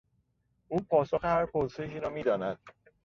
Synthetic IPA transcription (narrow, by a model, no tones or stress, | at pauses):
uːpʰɒːsoxehæɾpʰoɾse̞ʃ̬iːɾɒːmiːd̪ɒːnæd̪̥̚